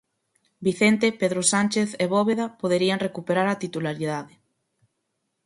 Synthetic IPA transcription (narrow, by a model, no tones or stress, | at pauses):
biθent̪epeðɾosanʲt͡ʃeθeβɔβeðapoðeɾiaŋrekupeɾaɾat̪it̪ulaɾiðaðɪ